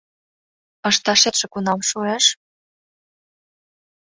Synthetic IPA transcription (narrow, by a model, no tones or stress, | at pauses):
ɤ̆ʃt̪ɑʃet̪ʃĕkunɑmʃueʃ